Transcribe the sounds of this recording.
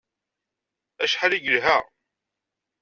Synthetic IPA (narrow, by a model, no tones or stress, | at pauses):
æʃħaliɡəlɦæ